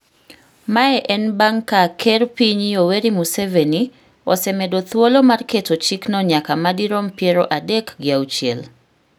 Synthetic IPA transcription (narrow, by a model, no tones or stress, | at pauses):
maɛʔɛnbaŋkakʰɛɾpiɲioweɾimuseveni | ɔ̰sɛmedot̪wolomarketot͡ʃiknɔɲakamadiɾompjeɾɔʔadekɡɪawt͡ʃiel